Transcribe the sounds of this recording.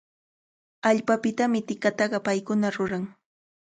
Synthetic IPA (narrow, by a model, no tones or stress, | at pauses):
aʎpapɪt̪amɪt̪ɪkat̪ɑɢɑpajkʊnaɾʊɾaŋ